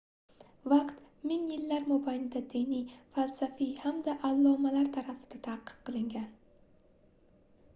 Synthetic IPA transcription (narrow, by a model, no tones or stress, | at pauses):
vɑqt̪ | mɪŋjɪlːaɾmʊbajnɪd̪ad̪inijfalˠsafijhamd̪aʔalˠːɒmalaɾt̪ʰaɾafɪ̥d̪̥at̪ʰaqːɨ̥qqʰːɨlˠɪŋɡʲan